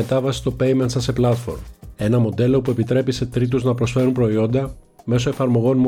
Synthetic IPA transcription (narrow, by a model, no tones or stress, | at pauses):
et̪ɐvɐsi̥st̪o̞pe̞jment̪sɐse̞plɐt̪fo̞̰ɾme̞nɐmo̞d̪e̞lo̞pue̞pit̪ɾe̞pise̞t̪ɾit̪̬uznɐpɾo̞sfe̞ɾumpɾo̞io̞nd̪ɐ | me̞so̞e̞fɐɾmo̞ɣo̞nm